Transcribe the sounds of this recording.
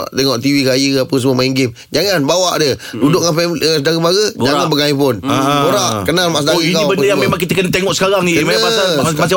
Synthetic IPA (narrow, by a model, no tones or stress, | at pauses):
t̪eŋɔʔt̪iwikajəapəs̬əmuəmaiŋɡɪm | d͡ʒaŋanbawaʔdədudʊʔ̚ŋanfɛmlsədaɣəbaɡəd͡ʒaŋabəkaipʊnoɾaʔkənalmaʔsədaɾikaiwbəndəjaŋmemaŋkit̪əkənət̪eŋɔʔsə̥kaɾaŋiəməamasa